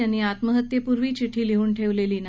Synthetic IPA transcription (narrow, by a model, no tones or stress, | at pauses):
aniːat̪məɦət̪jepuɾʋiːt͡ɕiʈʰiːleɦuːnʈʰeʋleliːna